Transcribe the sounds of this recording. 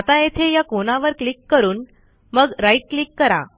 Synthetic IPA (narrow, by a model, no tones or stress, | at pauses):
at̪ajet̪ʰejakonaʋəɾklikːəɾuːn | məɡɾaiʈ̚klikːəɾa̰